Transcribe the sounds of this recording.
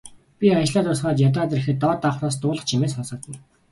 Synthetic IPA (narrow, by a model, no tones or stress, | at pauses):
pʲiat͡ɕ̆ɮaːt̪ʊsχaːt͡ɕ̪jat̪̬aːt̪̬rixɘ̆t̪ːɔːt̪ːaχraːst̪ʊːɮə̆χt͡ɕʰimeːsχɔsɞ̆t̪̚ɡŭj